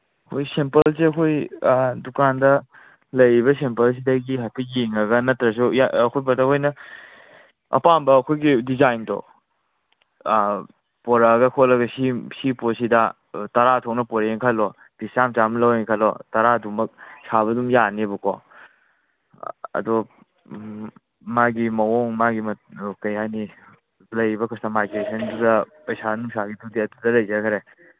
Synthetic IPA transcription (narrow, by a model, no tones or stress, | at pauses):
ɐkʰojsempɐlseɐkʰojdukandɐ | lɐjβɐsempɐls̬idɐɡiɦapʰiɡiŋɐɡɐnɐtɾɐs̬ujaɐkʰojpɐtakʰojnɐ | ɐ̰pambɐːkʰojɡidizajntɔ̰ | pɔɾaɡɐkʰolɐɡɐsisiposidɐ | tɐɾatʰɔk̚nɐpɔɾeŋkʰɐlɔ | b̥ist͡ʃamt͡ʃamlɐweŋkʰalɔ̰tɐɾadumɐk̚saβɐdumjanebukɔ̰ | ɐ̰dɔ | maɡimɐɔŋmaɡimɐkɐjhani | lɐjbɐkʰɔsnamajɡɾesɐndudɐpɐjsanuŋsaɡitudiɐtudɐlɐjzakʰɐɾe